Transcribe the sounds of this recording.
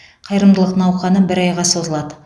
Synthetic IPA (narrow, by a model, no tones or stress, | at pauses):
qʰɑjɾəmd̪əlˠəq̪nɑwqɑnəbɪɾɑjʁɑso̞zəlˠɑd̪ə